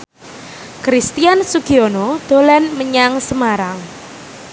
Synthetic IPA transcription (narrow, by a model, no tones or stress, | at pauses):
kɾist̪iansuɡ̥ionod̪̥o̤lɛnməɲaŋsəmaɾaŋ